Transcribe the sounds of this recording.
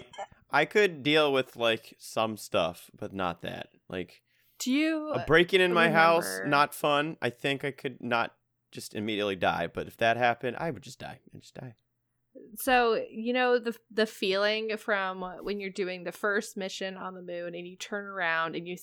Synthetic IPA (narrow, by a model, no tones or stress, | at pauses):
ʔaɪkʰɨddilˠwɪð̥laɪksʌ̃mstʌ̰fb̥ʌtⁿnə̰t̪̚ðæ̰t̚lʔa̰ɪk | d̥ɨjʉəbɹeɪkɪ̃ŋɨ̃nmaɪɦaʊsnətfʌ̃nʔa̰ɪθɪ̃ŋkaɪkʰɨdⁿnə̰t̚ | d̥ʒ̥ʌstɨmiɾiɨtˡlida̰ɪb̥ʌɾɨfðɨt̚hæpɨ̃nda̰ɪwɨd̚d͡ʒʌsd̥a̰ɪaɪd͡ʒʌsd̥a̰ɪ | soʊjɨnoʊðɨðɨfilˠɪ̃ŋfɹʌ̃mʌʔwɨ̃njə˞dʉɪ̃ŋðɨfɜ˞st̚mɪʃɨ̃nə̃nðəmʉ̃nɨ̃njɨtʰɜ̃˞nə˞ãʊ̃ndɨ̃njɨ